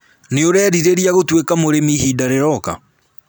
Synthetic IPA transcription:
neoɾɛːɾiɾeɾiaɣotwekamoɾemihidaɾeɾɔka̰

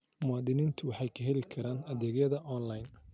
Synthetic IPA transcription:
mʊaːðɪniːnt̪ʰʊwɑħɑjkʰɐɦɛlɪkʰɐɾaːnɐðɛːɣjɐðɐʔɔːnlajn

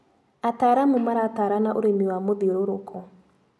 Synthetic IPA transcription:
ataɾamumaɾataɾanaʔoɾemiwamoðiɾoɾokʰɔ

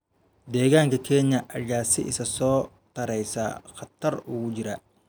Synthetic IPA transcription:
d̪ɛːɣaːŋkɐkʰɛːɲːɐʔɐɡaːsɪʔɪsɐsɔː | t̪ɐɾɛjsa̰ːxɐt̪ːɐɾʊɣʊd͡ʒɪɾɐ

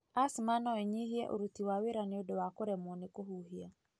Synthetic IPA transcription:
asmanɔeɲiɦiɛ̰ʔo̰ɾutiwaweɾaneodowakoɾɛmɔnekoɦuɦia

